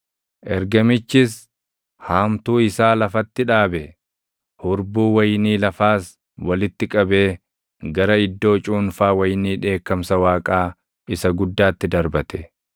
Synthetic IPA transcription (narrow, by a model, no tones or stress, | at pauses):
ʔɛɾɡɐmɪt͡ʃːɪs | haːmt̪uːɪsaːlɐfɐt̪ːɪᶑaːbɛ | hʊɾbuːwɐjniːlɐfaːs | wɐlɪt̪ːɪkʼɐbe̞ː | ɡɐɾɐɪd̪ːo̞ːt͡ʃʼuːnfaːwɐjniːᶑe̞ːkːɐmsɐwaːkʼaː | ɪsɐɡʊd̪ːaːt̪ːɪd̪ɐɾbɐt̪ʰɛ̥